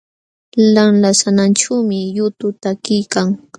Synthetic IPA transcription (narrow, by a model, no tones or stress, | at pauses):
lamlasananʈ͡ʂawmɪjʊt̪ʊt̪akɪjkaŋ